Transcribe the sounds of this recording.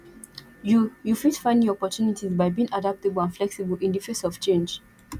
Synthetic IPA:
jujufidfãɪ̃ndĩɔpɔtʰunitʰizbaɪbiɪ̃ŋadap̚təbəl̩ãnflɛksibəlʔĩndifɛ̃nsɔv̥t͡ʃẽnd͡ʒ

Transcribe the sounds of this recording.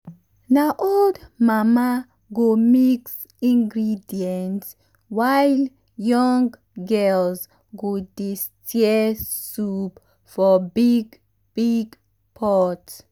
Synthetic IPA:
naʔoldmama | ɡomiks | ĩŋɡɹidiɛ̃nt | wajl | jɔŋɡ | ɡɛlz | ɡodistʰjɛsup | fɔbiɡ | b̥iɡ | pʰɔt

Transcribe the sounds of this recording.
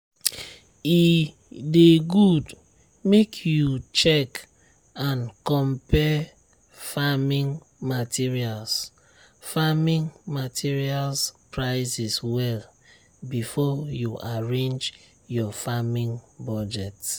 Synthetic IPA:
i | deɡud | mekʰjut͡ʃɛk | ãnkɔ̃mpɛ | famĩŋ | matʰiɹials | famĩŋmatʰiɹialspɹaɪsiswɛl | bifɔjuaɹẽnd͡ʒ | jɔfamĩŋbɔd͡ʒɛt

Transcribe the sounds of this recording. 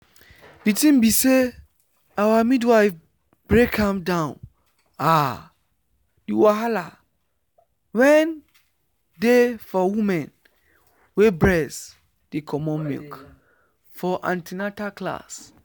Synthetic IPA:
ditĩmbise | awamidwaɪf | bɹekʰãmdãʊ̃n | a | diwaɦala | wɛn | defɔwũmɛ̃n | webɹɛs | d̥ikʰɔmɔ̃nmḭlk | fɔʔã̰ntinatakla̰s

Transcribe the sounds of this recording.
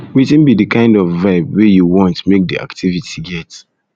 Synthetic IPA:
witɪ̃nbidɨkãɪ̃ndɔfvaɪb̚wejuwɔ̃ntmek̚diʔa̰ktʰivitʰiɡɛt

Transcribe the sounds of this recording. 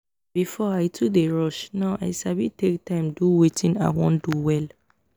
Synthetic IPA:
b̥ifɔaɪtʰudeɹɔʃnaʊʔa̰ɪsabitek̚tãɪ̃mduwetʰĩna̰wɔ̰̃nduwɛl

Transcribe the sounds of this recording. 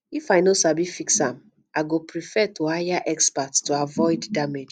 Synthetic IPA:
ifajnosabifiksãm | aɡopɾifɛtʰuhajaʔɛkspattuavɔɪddamed͡ʒ

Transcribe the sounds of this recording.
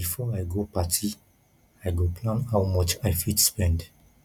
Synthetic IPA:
bifɔajɡopatʰi | ajɡopʰlãnhawmɔt͡ʃajfidspɛ̃nd

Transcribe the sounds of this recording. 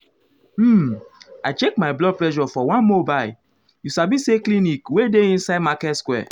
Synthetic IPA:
m̩aɪt͡ʃek̚mablɔd̚plɛʒɔfɔwãnmobajl | jusabiseklĩnikwedeĩnsaɪdmakɛtskwɛ̰

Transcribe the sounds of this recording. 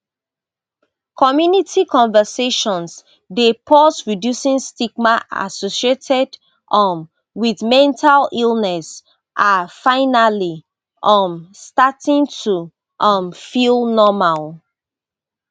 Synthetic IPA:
kʰɔmjunitikɔ̃ɱvəseʃɔ̃ns | depʰɔsɹidjusĩŋstiɡmaʔa̰sosietʰɛd | ʔɔ̃n | wiðmɛ̃ntʰalilˠnɛs | ʔafaɪnali | ʔɔmstatĩŋtʰu | ʔʌ̃mfilˠnɔmal

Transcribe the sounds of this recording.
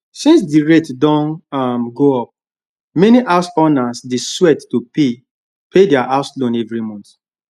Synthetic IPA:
sĩns̬diɹetdɔ̃nmɡoɔp̚ | mɛniʔaʊsɔnasdeswɛtːupʰe | pʰedɛaʔaʊslõnɛvɹimɔ̃nt

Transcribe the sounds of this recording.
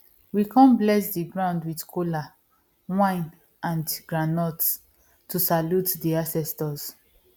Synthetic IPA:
wikʰãnblɛsdiɡɹãʊ̃ndwidkʰola | wãɪ̃n | ãnɡɹanɔts | tusalutdiasɛstɔz̥

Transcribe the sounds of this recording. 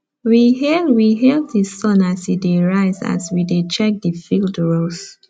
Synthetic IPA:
wihɛwiɦɛltdisɔ̃nasideɹaɪza̰swidet͡ʃɛk̚difildɹos

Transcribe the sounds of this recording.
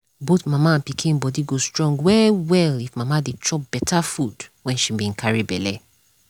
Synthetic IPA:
botmamãpikʰĩbɔdiɡostɹɔ̃ŋɡwɛwɛlifmãmadet͡ʃɔp̚b̥ɛtʰafud̥wɛ̃nʃibĩnkʰaɹibɛlɛ

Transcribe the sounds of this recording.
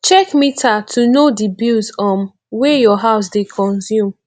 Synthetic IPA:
t͡ʃɛkmitʰatʰunodibilsɔ̃m | wejɔɦaʊs̬dekʰɔ̃nsjũm

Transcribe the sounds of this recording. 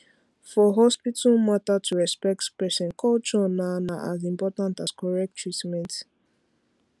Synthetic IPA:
fɔɦɔspitʰalmatatʰuɹɛspɛk̚tpɛsɛ̃nkʰɔlt͡ʃɔnanaʔazĩmpɔtãntaskɔɹɛk̚tʰːɹitmɛ̃nt

